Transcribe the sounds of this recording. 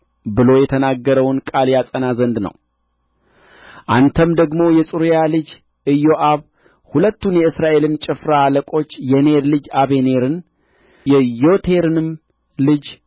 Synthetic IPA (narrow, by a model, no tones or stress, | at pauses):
bɨlo̞jɛt̪ʰənaɡːəɾəwnkʼaljasʼənazənd̪nə̰w | ʔant̪ʰəmd̪əɡmo̞jɛsʼuɾjalɨd͡ʒ | ʔɨjo̞ʔaβ | hulət̪ːunjɛɨsɾaʔe̞lɨnt͡ʃʼɪfɾaːləkʼo̞t͡ʃːjɛneɾlɨd͡ʒaβe̞ne̞ɾɨn | jɛjo̞t̪ʰe̞ɾɨnɨm | lɨd͡ʒ